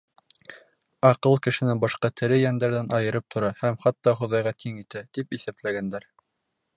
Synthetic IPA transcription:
ɑqɤlˠkɘ̆ʃɘ̆nɘbɑʃqɑt̪ʰɘ̆ɾɘjænd̪æɾðænʔɑjɤ̆ɾɤp̚t̪ʰŏɾɑhæmχɑt̪ːɑχŏðɑjʁɑt̪ʰiŋit̪æt̪ipiθæplæɡænd̪æɾ

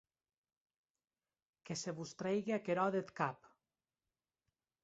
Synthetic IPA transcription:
keseβust̪ɾejɣeakeɾɔðet̪kap

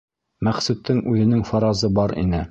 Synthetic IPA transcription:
mæχsʉt̪ʰːɘŋʉðɘ̆nɘŋfɑɾɑzɤbɑɾḭnɘ

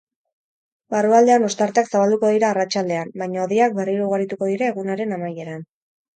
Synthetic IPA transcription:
baruald̪e̞ano̞st̪aɾt̪eaksaβald̪uko̞ðiɾaːrat͡ʃald̪e̞ambajɲaoðiak̚be̞riɾuɣaɾit̪uko̞ð̞iɾaeɣunaɾe̞namaje̞ɾan

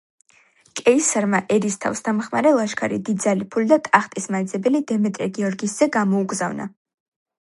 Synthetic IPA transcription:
kʼɛisaɾmaʔɛɾist̪ʰa̰fsd̪ʰamχmaɾɛlˠaʃkʰaɾḭd̪id̪zalipʰulid̪at̪ʼaχt̪ʼismaɛd̪zɛbɛlid̪ɛmɛt̪ʼɾɛɡiɔɾɡisz̥ɛɡamɔuɡzavna̰

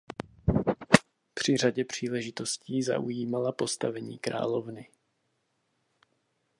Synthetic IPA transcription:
pr̝̥ɪr̝aɟɛpr̝̥iːlɛʒɪt̪o̞sciːza̰ʔujiːmalapo̞st̪avɛɲḭːkɾa̰ːlo̞vnɪ

